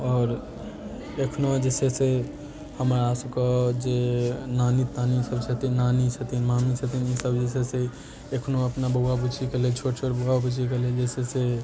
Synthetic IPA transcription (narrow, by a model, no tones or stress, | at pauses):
ɔːɾ | ekʰnoãd͡ʒɛːsese | həmɾaaːsukad͡ʒenaːnit̪anisəbsət̪inaːnisʰət̪inmaːmisʰət̪inisəbd͡ʒɛːsese | ekʰnoəpnaboɡabut͡ʃʰikəlet͡ʃʰoʈt͡ʃʰoʈboɡabut͡ʃʰikeled͡ʒɛːsese